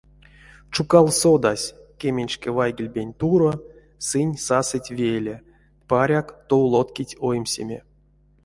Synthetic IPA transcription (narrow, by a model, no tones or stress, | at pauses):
t͡ʃukalˠsod̪asʲkʲemʲenʲt͡ʃkʲɛvajɡʲilʲbʲenʲt̪uɾo | sɨnʲsasɨtʲvʲejlʲe | paɾʲakt̪owlˠot̪kʲitʲojmʲsʲḛmʲḛ